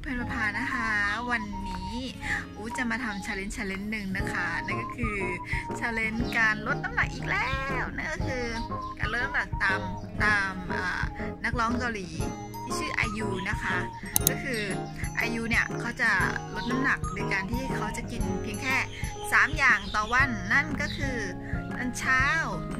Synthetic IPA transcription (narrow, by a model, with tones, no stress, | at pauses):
pʰɯ˧˩pʰa˧pʰaː˧na˦˥kʰa˦˥wa˧nːiː˦˥ | ʔuː˨˦˩t͡ɕa˨˩maː˧t̪ʰa˧mt͡ɕʰaː˧le˦˥nt͡ɕʰaː˧le˦˥nːɯ˨˧ŋna˦˥kʰa˦˥na˥˩nkɔ˥˩kʰɯː˧t͡ɕʰaː˧le˦˥nkaː˧nlo˦˥t̪̚na˦˧mna˨˩k̚ʔiː˨˩k̚lɛː˥wna˥˩kɔ˥˩kʰɯː˧ka̰ː˧nlo˦˥t̪̚ːa˧mna˨˩k̚t̪aː˧m | t̪aː˧mʔa̰ː˨˩na˦˥k̚lɔː˦˥ŋkaː˧liː˨˩˦ | tʰiː˥˩t͡ɕʰɯː˥˩ʔa̰ː˧jjuː˧na˦˥kʰa˦˥ | kɔː˥˩kʰɯː˧ | ʔa̰˧juː˧ni˦˥˩ɐkʰa˦˥wt͡ɕa˨˩lo˦˥t̪̚na˦˧˥mna˨˩k̚doː˧jkaː˧nt̪ʰiː˥˩kʰa˦˥wt͡ɕa˨˩ki˧npʰi˧əŋkʰɛː˥˩ | saː˨˩˦mjaː˨˩ŋt̪ɔː˨˩wa˧˥˩nːa˥˩nkɔː˥˩kʰɯː˧ | na˧˥˩nt͡ɕʰaː˥˩w